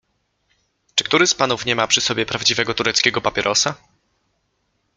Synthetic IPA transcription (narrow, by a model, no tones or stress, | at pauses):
t͡ʂɘ̥k̚t̪uɾɘspanufɲɛmapʂɘsɔbʲjɛpɾavd͡ʑivɛɡɔt̪uɾɛt̪skʲɛɡɔpapʲjɛɾʔɔsa